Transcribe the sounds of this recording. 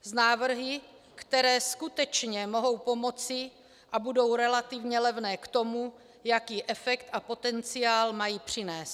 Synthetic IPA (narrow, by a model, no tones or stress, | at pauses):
znaːvr̩ɦɪ | kt̪ɛɾɛːskut̪ɛt͡ʃɲɛmo̞ɦo̞wpo̞mo̞t͡sɪ | ʔabudo̞wɾɛlat̪ɪvɲɛlɛvnɛːkt̪o̞mu | jakiːʔɛfɛkt̪ʔapo̞t̪ɛnt͡sɪaːlmajiːpr̝̥ɪnɛːst̪̚